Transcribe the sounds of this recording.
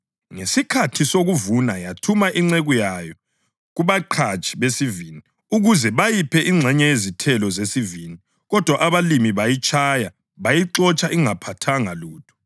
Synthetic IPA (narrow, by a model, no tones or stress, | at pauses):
ŋesikʰatʰisoɣuvunajatʰumaʔiŋ͡ǀeɣujajɔ | ɣuβaǃʰat͡ʃʼi̥βesivini | uɣuzɛβajipʰɛʔiŋ͡ǀʱɛɲɛjezitʰɛlɔzesivini | ɣɔd̥ʱwaʔaβalimiβajit͡ʃʼʰaja | βajiǁɔt͡ʃʼaʔiŋapʰatʰaŋaluːtʰɔ̥